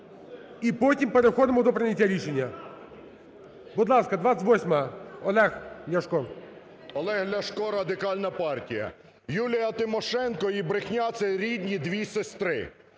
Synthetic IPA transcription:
ipɔtʲimpeɾexɔd̪ɪmɔd̪ɔpɾɪnʲːɐtʲːaɾʲiʃenʲːɐ | bʊd̪lˠɑskɐd̪ʋɑsʲɪtʲʋɔsʲmɐɐɔlˠɛxlʲɐʃkɔ | ɔlˠɛɦlʲɐʃkɔɾɐd̪ɪkɑlʲnɐpɑrtʲijɐ̰ | julʲijɐt̪ɪmɔʃɛnkɔibɾɪxnʲat̪sɛɾʲid̪ʲnʲid̪ʋʲisest̪ɾɪ̰

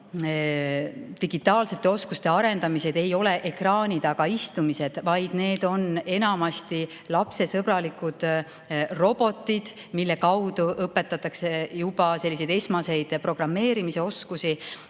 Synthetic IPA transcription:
t̪iɡ̥it̪ːˑɑːlse̞t̪ːˑe̞o̞skust̪e̞ɑɾe̞nd̪̥ɑmise̞d̪̥e̞jo̞le̞ʔe̞krɑːnʲid̪ɑɡ̥ɑist̪umise̞d̪̥vɑjd̪̥ne̞ːd̪̥o̞ne̞nɑmɑst̪i | lɑpse̞sɤbrɑlikud̪̥ | ro̞b̥o̞t̪ːˑid̪̥ | milːe̞kɑwd̪̥uʔɤpːe̞t̪ːˑɑt̪ːˑɑksejub̥ɑse̞lʲːise̞jd̪e̞smɑse̞jd̪̥pro̞ɡ̥rɑmːe̞ːɾimise̞o̞skusi

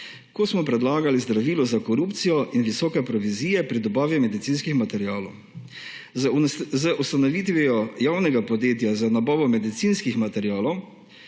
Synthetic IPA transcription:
kosmɔpɾɛd̪laːɡalizd̪ɾaʋiːlɔzakɔɾuːpt̪sijɔʔinʋisɔːkɛpɾɔʋiziːjɛpɾid̪ɔbaːʋimɛd̪it̪sinskixmat̪ɛɾjaːlɔ̰w | zəʔust̪anɔʋiːt̪ʋɛjɔjaːwnɛɡapɔd̪jeːt̪jazanabɔːʋɔmɛd̪it̪sinskixmat̪ɛɾijaːlɔw

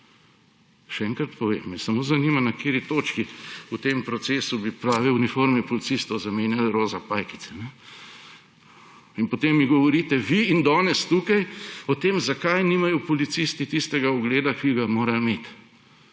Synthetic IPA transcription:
ʃɛɛŋkɾat̪pɔʋḛːmːɛsɐmoːzɐniːmanakeːɾit̪oːt͡ʃkiut̪eːmpɾɔt̪seːsubipɾaːʋiunifoɾmɛpɔlit̪sist̪ɔwzameːnjalɾoːzapajki̥t̪sɛnɛ | inpɔt̪emːiɡɔʋɔɾiːt̪ɛʋiːnd̪ɔːnɛst̪uːkajɔt̪eːmzakajniːmajɔpɔlit̪sist̪it̪ist̪ɛɡaɔɡleːd̪akiɡamoːɾameːt̪

